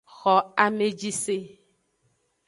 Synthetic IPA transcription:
xɔ˨a˨me˨d͡ʒi˦se˦

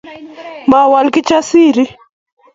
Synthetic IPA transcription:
ma˨wa˨lki˦t͡ʃa˦si˦ɾi˦

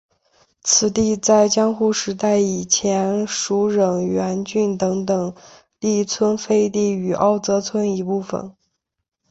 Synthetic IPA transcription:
t͡sʰɹ̩˧˩t̪i˥˧t͡sa˥˩ɪt͡ɕjɑ˥ŋxu˥˩ʂɻ̩˧˥t̪a˥˩ɪi˨˩t͡ɕʰjɛ˧˥nʂu˧˥ɻə˨˩ŋɥɛ˧˥nt͡ɕy˥˩nt̪ɤ˧˥ŋt̪ɤ˨˩ŋ | li˥˩t͡sʰwə˥nfe˥ɪt̪i˥˩y˨˩ʔɑ˥˩ʊt͡sɤ˧˥t͡sʰwə˥ni˧˥pu˥˩fə̰˩n

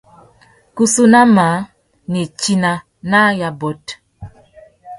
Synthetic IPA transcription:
ku˦su˦na˦ma˨˦ | ne˨t͡ʃi˦na˨ | na˦ja˨bɔ˨t

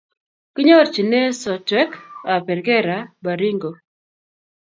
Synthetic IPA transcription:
kɪ˦ɲɔ˦ɾt͡ʃi˨ne˦sɔ˨twɛ˦ka˨pɛ˨ɾɡɛ˦ɾa˨ba˨ɾi˦ŋɡo˨

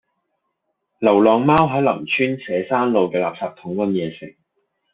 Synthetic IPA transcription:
lɐ˨˩wlɔː˨ŋmaː˥wɦɐ˨˥lɐ̰˨˩mt͡ʃʰyː˥nsɛː˨˧˥saː˥nlo˨˧wkɛː˧laː˨p̚saː˧p̚t̪ʰʊ˨˥ŋwɐ˧˥njɛː˨˧sɪ̰˨˩ŋ̚

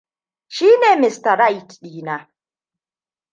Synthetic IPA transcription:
ʃiː˦neː˨mɪ˨sta˨ɾa˦˨jtɗiː˨˦na˨

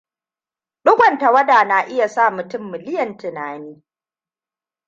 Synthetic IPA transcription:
ɗʊ˦ɡʷɐ˨nta˨wɐ˦daː˨na˨ʔɪ˦ja˨saː˦˨mʊ˨tʊ˦mːɪ˨lɪ˦jɐ˨ntɪ˨naː˨niː˦

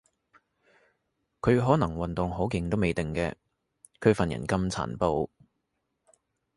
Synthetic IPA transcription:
kʰɵ˨˧ɥɦɔː˨˥nɐ˨˩ŋwɐ˨nt̪ʊ˨ŋɦo˨˥wkɪ˨˧ŋt̪o˥wme˨jt̪ɪ˨ŋkɛ̰ː˧ | kʰɵ˨˧ɥfɐ˨njɐ̰˨˩nkɐ˥mt͡sʰa̰ː˨˩npo˧w

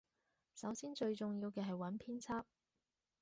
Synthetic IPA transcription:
sɐ˨˥wsiː˥nt͡ʃɵ˧ɥt͡sʊ˨ŋjiː˧wkɛː˧ɦɐ˨jwɐ˨˥npʰiː˥nt͡sʰaː˥p̚

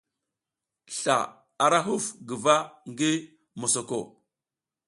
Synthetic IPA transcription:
ɬa̰˨ | a˨ɾa˦ɦu˦fɡə˨va˦ŋɡi˦ | mo˨so˨ko˨

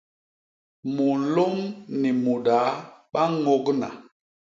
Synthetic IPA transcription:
mu˨n̩˦lo˦ŋni˨mu˨ɗa˨˦ɓa˦ŋo˦ɡna̰˨

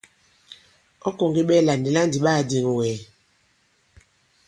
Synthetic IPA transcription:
ɔ˦kɔ˨ŋɡe˦ɓɛ˦la˨ndi˨la˦n˨di˨ɓaː˦˨di˨ŋ˨wɛː˨

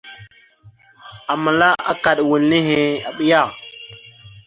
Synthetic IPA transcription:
a˨ma˨la˦ʔa˦ka˨ɗwu˨lni˦ɦe˨a˨ɓi˦ja˦˨

